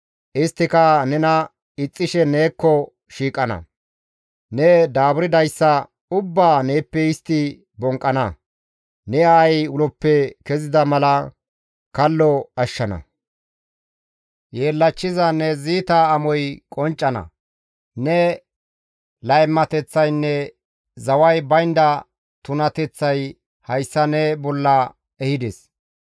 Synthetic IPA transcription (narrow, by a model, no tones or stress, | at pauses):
ʔɪst̪ːɪkɐnɛnɐ | ɪt͡sʼːɪʃɛne̞ːkːɔ | ʃiːkʼɐnɐ̰ | nɛd̪aːbʊɾɪd̪ɐjsːɐ | ʊbːaːne̞ːpːɛɪst̪ːɪ | bɔŋkʼːɐnɐ | nɛaːjʊlɔpːɛkɛzɪd̪ɐmɐlɐ | kɐlːɔɐʃːɐnɐ̰ | jeːlːɐt͡ʃːɪzɐnɛziːt̪ɐːmɔjkʼɔnt͡ʃʼːɐnɐ̰ | nɛ | lɐjmːɐt̪ɛt͡sːɐjnːɛ | zɐwɐjbɐjnd̪ɐ | t̪ʊnɐt̪ɛt͡sːɐj | hɐjsːɐnɛbɔlːɐ | ɛhɪd̪ɛs